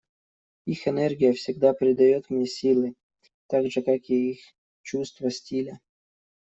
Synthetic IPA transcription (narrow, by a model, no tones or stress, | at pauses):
ixɛnɛrɡʲɪjəfsʲɪɡ̚d̪apɾʲɪd̪ajot̪mnʲesʲilˠɨ | t̪aɡʐɨkakiix | t͡ɕust̪vəsʲtʲilʲə